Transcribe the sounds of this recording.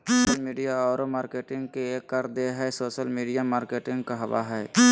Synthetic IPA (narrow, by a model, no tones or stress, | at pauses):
oʃəlmiːɖijaɔːɾomaːɾkeːʈɪ̃ŋɡ̚keeːkːəɾd̪eɦɛsoːʃəlmiːɖijamaːɾkeːʈɪ̃ŋɡkaɦɐʋa̰ɦɛː